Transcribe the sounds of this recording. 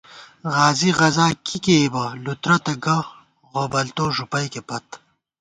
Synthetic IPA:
ʁaːziɣɐzaːkʰikeːbɐlut̪ɾɐt̪ɐɡɐ | ʁobɐlt̪oːʒupɐjkepɐt̪

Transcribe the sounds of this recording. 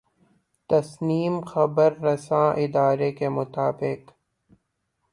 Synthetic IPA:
t̪ɐsniːmxɐbəɾːɐsãːʔɪd̪aːɾekemʊt̪aːbɪq

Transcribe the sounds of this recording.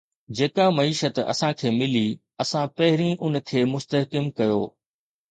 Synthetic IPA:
d͡ʑeːkamɐiːʃət̪ɐ̰sãkʰeːmɪli | ɐsãpɐɦɪɾĩʔʊn̆kʰeːmʊst̪əɦkɪmkɐjoː

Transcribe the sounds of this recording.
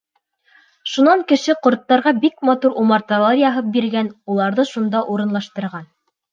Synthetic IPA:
ʃunɑŋkɘ̆ʃɘqŏɾt̪ːɑɾʁɑbikmɑt̪uɾʔumɑɾt̪ɑlˠɑɾjɑɦɤp̚biɾɡænulˠɑɾðɤʃund̪ɑʔuɾɤ̆nlˠɑʃt̪ɤ̆ɾʁɑn

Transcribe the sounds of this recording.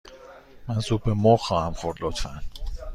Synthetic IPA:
mænsuːb̚bemɔːxɒːhæmxoɾlot̪ʰfæn

